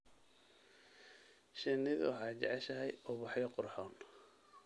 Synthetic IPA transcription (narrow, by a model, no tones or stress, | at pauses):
ʃɪnɪð̰wɑħɑːjt͡ʃɛʕɛʃɐɦɛjʔɔbɑħjɔqʊrħɔːn